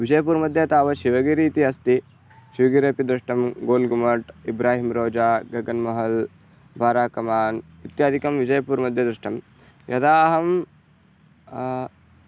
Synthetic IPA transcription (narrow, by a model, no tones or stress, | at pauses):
ʋid͡ʒɐjɐpuːɾmɐd̪ʱjɐt̪aːʋɐʃiʋɐɡiɾiːt̪iɐst̪i | ʃiʋɐɡiɾeːpid̪ɾɪʂʈɐmɡoːlɡumɐʈibɾaːɦimɾoːd͡ʒaːɡɐɡɐnmɐɦɐl | bʱaːɾaːkɐmaːn | it̪jaːd̪ʱikɐmʋid͡ʒɐjɐpuːɾmɐd̪ʱjɐd̪ɾɪʂʈɐm | jʔɐd̪aːɦɐm